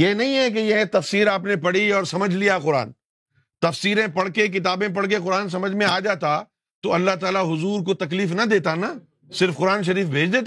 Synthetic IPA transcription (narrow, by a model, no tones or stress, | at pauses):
jeːnɐɦĩɦɛk̬ejɐɦt̪ɐfsiːɾaːpnepɐɽiɔːɾsɐməd͡ʒʱlijaqʊɾa̰ːn | t̪ɐfsiːɾẽpɐɽ̤kek̬ɪt̪aːbẽp̬ɐɽk̬eqʊɾaːns̬ɐməd͡ʒʱmẽaːd͡ʒaːt̪a | t̪oɐlːaɦt̪aːlaɦʊzuːɾk̬ot̪ɐk̬liːfnɐd̪eːt̪ana | sɪɾfqʊɾaːnʃ̬ɐɾiːfbʱeːd͡ʒd̪eːt̪a